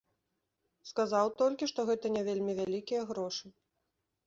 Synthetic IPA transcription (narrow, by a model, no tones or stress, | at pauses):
skazawt̪ɔlʲkʲiʂt̪ɔɣɛt̪ɐnʲɛvʲelʲmʲivʲalʲikʲijɐɣɾɔʂɨ